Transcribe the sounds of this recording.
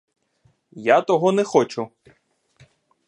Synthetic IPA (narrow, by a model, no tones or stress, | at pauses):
jat̪ɔɦɔnɛxɔt͡ʃʊ